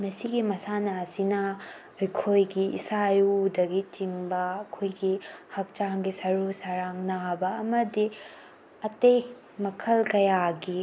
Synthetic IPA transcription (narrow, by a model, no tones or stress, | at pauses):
mɐsiɡimɐsanɐːsinɐ | ojkʰojɡiḭsajudɐɡit͡ʃiŋbɐːkʰojɡihɐk̚t͡ʃaŋɡisɐɾusaɾaŋnabɐːmɐdi | ɐtej | mɐkʰɐlkɐjaɡi